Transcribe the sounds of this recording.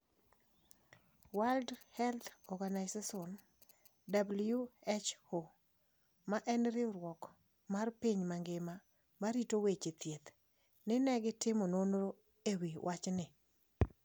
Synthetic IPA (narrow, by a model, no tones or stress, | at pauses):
waldhɛlt̪ɔrɡanajsasɔn | dabljuet͡ʃo | maʔɛnɾɪɾwɔk | marpiɲmaŋɡɪma | maɾitowet͡ʃet̪jet̪ | nɪnɛɡɪtɪmɔnonɾo | ewiwʔat͡ʃnɪ